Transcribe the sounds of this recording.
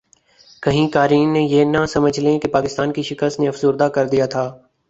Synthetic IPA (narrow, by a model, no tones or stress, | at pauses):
kɐɦĩkaːɾiːnːejeːnɐsɐməd͡ʒʱlẽkepaːkɪst̪aːnkiʃɪkəst̪neɐfzʊːɾd̪akɐɾd̪ijaːt̪ʰaː